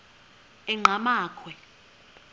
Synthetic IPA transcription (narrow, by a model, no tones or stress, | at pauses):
ɛŋ͡ǃʱamaːkʰwɛ